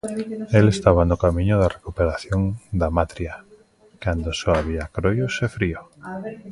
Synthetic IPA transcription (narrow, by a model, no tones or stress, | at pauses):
elest̪aβanʊkamĩɲʊðarekupeɾaθjoŋd̪amat̪ɾja | kand̪osɔaβ̞iakɾojʊsefɾio